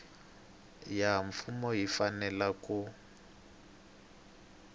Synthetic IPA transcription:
jaɱfumɔɦifanɛlaku

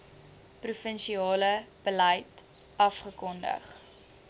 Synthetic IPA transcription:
prufənʃiɑːləb̥ələjt | ɐfχəkɔndə̰χ

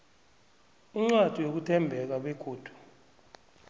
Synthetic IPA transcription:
iŋ͡ǀad̥ʱijok̬utʰɛmbʱɛk̬aɓeɡ̥ʱoːd̥ʱu̥

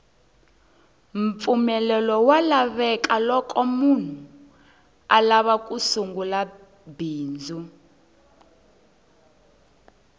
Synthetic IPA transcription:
ɱp̪fumɛlɛlɔwalaβɛkalɔkʼɔmun̤u | alaβak̬ʼusuŋɡula | biːnd͡zʱu

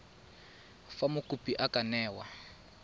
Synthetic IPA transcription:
famʊkʼupʼiʔakanɛːwa

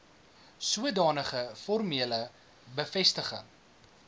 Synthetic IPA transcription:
suədɑːnəχəfɔrmiələ | bəfɛstəχə̰ŋ

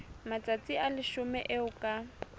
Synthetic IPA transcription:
mat͡sʼat͡sʼialɪʃʊmɛ̰ʔɪʊkʼa

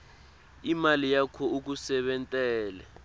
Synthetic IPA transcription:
imalijakʰɔuk̬usɛɓɛntʼɛːlɛ̰

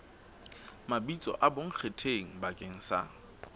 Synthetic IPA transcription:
mabit͡sʼɔ̰ʔaboŋ̩k͡xʰetʰeŋ̩bakʼeŋ̩sa̰

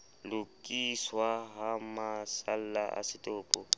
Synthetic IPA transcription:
lʊkʼiswaɦamasal̩laʔa̰sɪtʼʊːpʼɔ

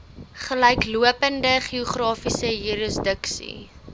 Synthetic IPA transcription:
χəlɛjkluəpəndəχiuχrɑːfisəjuɾəsdəksḭ

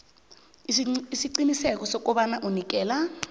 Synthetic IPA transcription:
isiǀinisɛkɔsɔkɔɓanaʔunik̬ʼɛːla

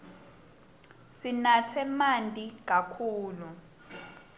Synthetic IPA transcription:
sinatʰɛmantʼik̬ʼakʰuːlu

